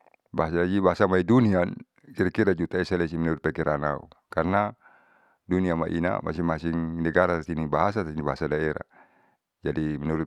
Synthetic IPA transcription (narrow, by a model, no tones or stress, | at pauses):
baɦasad͡ʒibaɦasamaidunian | kiɾakiɾad͡ʒut̪aɛsalɛs̬imɛnuɾut̪̚pɛkiɾanaṵkarna | duniama̰ʔḭna̰mʔa̰siŋmasiŋnɛɡaɾaat̪inibaɦasat̪atinibaɦasadaɛɾa̰ | d͡ʒadimɛnuɾu